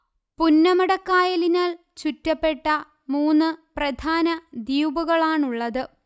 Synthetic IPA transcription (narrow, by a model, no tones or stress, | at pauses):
punːɐmɐɽɐkːaːjɐlinaːɭ | t͡ɕutːɐpːe̞ʈːɐ | muːnːɨprɐd̪ʱaːnɐd̪ijubɐɣɐɭaːɳuɭːɐðɨ